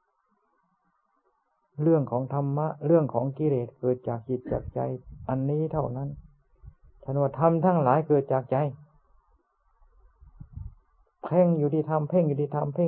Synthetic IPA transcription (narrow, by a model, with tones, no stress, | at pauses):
lɯ˧˩əŋkʰɔː˩˦ŋt̪ʰa˧mːa˧˥ʔɾɯ˧˩əŋkʰɔː˩˦ŋki˧leː˨˩t̪̚kɤː˨˩t̪̚t͡ɕaː˨˩k̚t͡ɕi˧˩t̪̚t͡ɕa̰ː˨˩k̚t͡ɕa̰˧jʔa˧˨nːiː˧˥˨t̪ʰa˧˩wna˧˥˨n | t͡ɕʰa˧˩˨nwaː˧˩t̪ʰa˧˥˨mt̪ʰaː˧˥˩ŋlaː˨˦jkɤː˨˩t̪̚t͡ɕaː˨˩k̚t͡ɕa˨˧˦j | pʰɛ˧˩˨ŋjuː˨˩t̪ʰiː˧t̪ʰa˧˨mpʰe˧˥˨ŋjuː˧t̪ʰiː˧˩t̪ʰa˧˨mpʰe˧˥˨